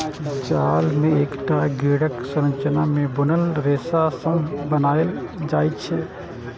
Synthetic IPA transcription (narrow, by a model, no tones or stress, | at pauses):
d͡ʒaːlmẽeːkʈaɡiːɽəksəɾə̃nt͡ʃənamẽbʊnəlɾeːsasə̃mbənaːəld͡ʒaːit͡ʃʰɛ